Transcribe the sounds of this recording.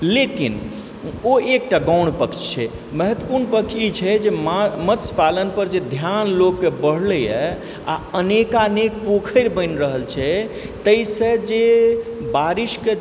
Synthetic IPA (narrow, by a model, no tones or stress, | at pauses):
lekin | oek̚ʈaɡãwɳpəkt͡ʃʰt͡ʃʰɛ | məɦət̪wəpuɾɳpək̚t͡ʃʰit͡ʃʰɛd͡ʒemmət̪spalənpəɾd͡ʒed̪ʱjanlokːebəɽ̤lɛjɛ | a̰ənekanek̚pokʰəɪɾbəɪnɾəɦəlt͡ʃʰɛ | t̪əjsẽd͡ʒebaɾiʃke